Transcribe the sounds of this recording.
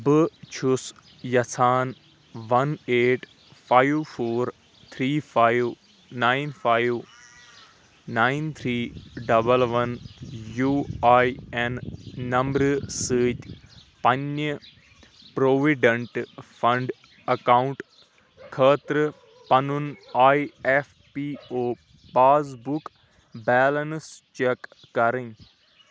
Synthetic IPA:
bɨt͡ʃʰus | jɐsʰaːn | ʋɐneːʈ | fʰaːiʋfʰoːɾ | t̪ʰɾiːfʰaːiʋ | naːiɪnfʰaːjʋ | naːint̪ʰɾiːɖɐbəlʋɐnjuːaːjɛnːɐmbɾsəːtpɐnjə | pɾoːʋiɖə̃ɳʈpʰɐ̃ɳɖ | ɐkaʊ̃ɳʈ | kʰəːt̪ɾ | pɐnunaːief | piːoː | paːzbʊk | bɛːlənst͡ʃekː | ɐɾĩŋ

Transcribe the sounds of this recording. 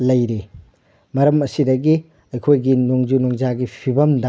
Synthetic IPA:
lɐjɾi | mɐɾɐmɐsidɐɡi | ɐjkʰojɡinoŋd͡ʒunoŋzaɡipʰibɐmda

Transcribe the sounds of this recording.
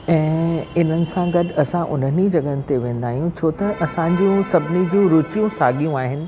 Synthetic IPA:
ɛ̃ːɪn̤ənɪ̆sãɡɐɗɐsãʔʊ̰nənid͡ʑɐɠənɪ̆t̪eʋẽːn̆d̪aːɦijũt͡ɕʰoːt̪ɐʔɐsãɲd͡ʑiũsɐbʱɪnid͡ʑiũɾʊt͡ɕijũsaːɠijũaːɦɪnɪ̆

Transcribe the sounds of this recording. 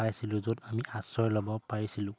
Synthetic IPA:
ajsilũzodamiʔasɔɹlɔbɔpaɹisilʊ̃

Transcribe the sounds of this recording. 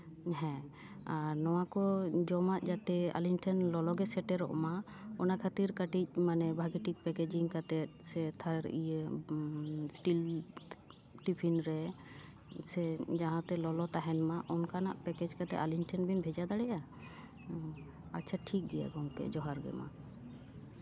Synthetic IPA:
ɦɛ̃ | aɾnɔwakɔd͡ʒɔmaʔd͡ʒat̪ɛa̰linʈʰɛnlɔlɔɡɛsɛʈɛɾɔ̰ʔma | ɔnakʰat̪iɾkaʈic̚ˀmanɛbʱaɡiʈik̚pɛkɛd͡ʒiŋkat̪ɛt̪̚sɛt̪ʰaɾ̰ije | sʈil | ʈipʰinɾɛ | sɛd͡ʒaɦãt̪ɛlɔlɔt̪aɦɛnmaʔɔnkanaʔpɛkɛd͡ʒkat̪ɛ̰alinʈʰɛnbʱinbʱɛd͡ʒad̪aɽɛja | atːt͡ʃʰaʈʰik̚ɡɛja̰ɡɔŋkɛ̰d͡ʒɔɦaɾɡɛ̰ma̰

